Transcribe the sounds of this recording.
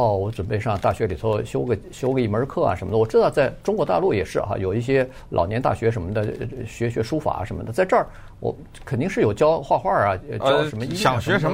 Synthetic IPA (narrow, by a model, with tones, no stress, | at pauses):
ɔ˥˩wɔ˧˥ʈ͡ʂwə˨˩npe˥˧ɪʂɑ˥˧ŋt̪a˥˩ɕɥɛ˧˥li˨˩t͡sʰwɔ˥ɕjo˥ʊɡə˧˩ɕjo˥ʊɡə˧˩i˥˩mə˞˧˥kʰɤ˥˩ɐ̰˩ʂə˧˥nmə˧d̪ə˨wɔ˨˩ʈ͡ʂɻ̩˥t̪ɑ˥˧ʊt͡sa˥˩ɪʈ͡ʂʊ˥ŋkwɔ˧˥t̪a̰˥˧lu˥˩jɛ˨˩ʂɻ̩˥˩xa̰˧jo˨˩ʊi˥˩ɕ̬jɛ˥ | lʔɑ̰˨˩ʊjɛ˧˥nt̪a˥˩ɕɥɛ˧˥ʂ̬ə˧˥nmə˧d̪ə˨ɕɥɛ˧˥ɕɥɛ˧˥ʂu˥fa̰˨˩˦ʂə˧˥nmə̰˧˩d̪ə˧˩t͡sa˥˧ɪʈ͡ʂə˥˩ | wɔ̰˧˩ | kʰə˨˩nt̪i˥˧ŋʂɻ̩˥˩jo˨˩ʊt͡ɕjɑ˥ʊxwa˥˧xwa˥˩ɐ˩t͡ɕʊʂə˧˥mə˧i˥jɑ˨˧˩ɕɥɛ˧˥ʂə˧˥